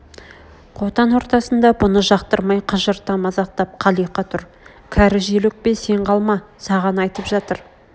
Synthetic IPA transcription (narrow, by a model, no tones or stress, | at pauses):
qʰo̞t̪ɑnwo̞ɾt̪ɑsənd̪ɑbʊnəʒɑqt̪əɾmɑjqʰəʒəɾt̪ːɑmɑzɑq̚t̪ɑp̚qʰɑlˠijqɑt̪ʰʊɾ | kʲʰæɾɪʒelɪk̚pese̞ɴqʰɑlˠmɑsɑʁɑnɑjt̪əpʒɑt̪əɾ